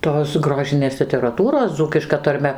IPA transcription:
ˈtoːs ˈɡroːʒʲɪnʲeːs lʲɪtʲɛrɐˈtuːroːs ˈd͡zuːkʲɪʃkɐ tɐrʲˈmʲɛ

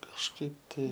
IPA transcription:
kɐʃˈkɐɪp ˈtɐɪ

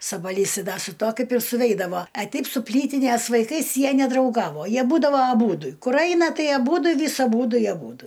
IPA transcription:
sɐbɐˈlʲiːs ˈdɐ sʊ ˈtuɔ ˈkɐɪp ɪr sʊˈʋʲɛɪdɐʋoː ɐ ˈtʲɛɪp sʊ ˈpʲlʲiːtʲɪnʲeːs ʋɐɪˈkɐɪs ˈjiɛ nʲɛdrɐʊˈɡɑːʋoː ˈjiɛ ˈbuːdɐʋoː ɐˈbuːdʊ ˈkʊr ˈɐɪnɐ ˈtɐɪ ɐˈbuːdʊ ˈʋʲɪs ɐˈbuːdʊ ɪ ɐˈbuːdʊ

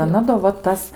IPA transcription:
ɐˈnɐ doː ʋɐ ˈtɐs

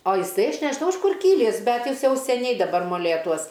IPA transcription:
oː jɪˈsɐɪ ˈɐʃ nʲɛʒʲɪˈnɐʊ ɪʃ ˈkʊr ˈkʲiːlʲiːs ˈbʲɛt ˈjɪs ˈjɛʊ sʲɛˈnʲɛɪ dɐˈbɐr moːˈlʲeːtuɔs

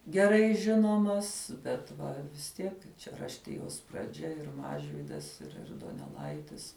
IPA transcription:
ɡʲɛˈrɐɪ ˈʒʲɪnoːmɐs bʲɛt ˈʋɐ ʋʲɪs ˈtʲiɛk t͡ʃʲɛ rɐʃʲˈtʲɪjoːs prɐˈd͡ʒʲɛ ˈɪr ˈmɑːʒʲʋʲiːdɐs ɪr ɪr doːnʲɛˈlˠɐɪtʲɪs

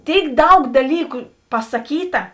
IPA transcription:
ˈtʲeːɪk ˈdɐʊk dɐˈlʲiːkʊ pɐsɐˈkʲiːtɐ

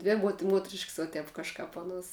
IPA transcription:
ˈdʲʋʲɪ muɔt ˈmuɔtʲrʲɪʃks ʋɐ ˈtʲɛp kɐʃˈkɐp ˈɑːˌnuɔs

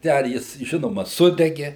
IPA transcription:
ˈtʲɛn ˈjɪs ˈʒʲɪnoːmɐ ˈsʊdʲɛɡʲɛ

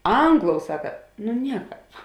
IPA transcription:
ˈɐŋɡˌlˠoːʊ ˈsɑːkɐ nʊ ˈnʲiɛˌkɑːp

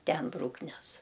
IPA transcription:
ˈtʲɛn ˈbruːknʲɛs

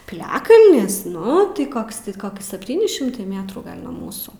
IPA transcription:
pʲɪˈlʲæːkɐlʲnʲɪs ˈnʊ tɐɪ ˈkoːks tʲɪ ˈkoːks sʲɛpʲˈtʲiːnʲɪ ʃʲɪmˈtɐɪ ˈmʲeːtruː ˈɡɐlʲ nuɔ ˈmuːsuː

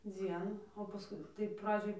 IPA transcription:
ˈd͡zʲiɛnuː oː pɐˈskʊɪ tɐɪ ˈprɑːd͡ʒʲoːj

